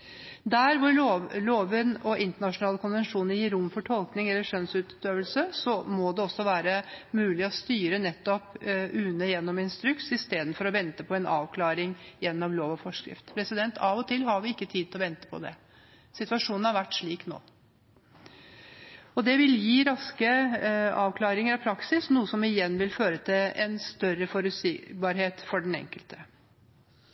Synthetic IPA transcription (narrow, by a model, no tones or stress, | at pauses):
d̪æɾʋʊɾoloːʋənɔʔɪnt̪əɳɑʂʊnɑːləkʰʊnʋɛnʂuːnəjiːɾʊmfɔʈʰɔlknɪŋɛlːəʂœnsʉːt̪øːʋəlsəsɔmɔd̪ɛɔsːɔʋæːɾəmʉːlɪɔst̪yːɾənɛt̪ːɔpʉːnəjɛnːɔmɪnst̪ɾʉksɪst̪eːd̪n̩fɔɾɔʋɛnt̪əpʰɔɛnʔɑ̰ːʋkʰlɑːɾɪŋjɛnːɔmloːʋɑfɔʂkɾɪ̰ft̪pʰɾɛsɪd̪ɛnt̪ʰɑːʋɔt̪ʰɪlːɦɑɾʋɪɪkːət̪ʰiːd̪̚ʰlɔʋɛnt̪ə̥pʰɔ̰d̪ɛ̰ | sɪt̪ʉɑʂuːnn̩hɑɾʋæʈːʂɭiːkno̰ː | ɔd̪ɛʋɪljiːɾɑskəɑːʋkʰlɑːɾɪŋəɾɑpʰɾɑksɪsnuːəsɔmɪjɛnːʋɪlføːɾət̪ʰɪlɛnst̪œɾəfɔɾʉsɪbɑːɾɦeːt̪fɔɖɛn̩ɛ̰ŋkəlt̪ʰə̥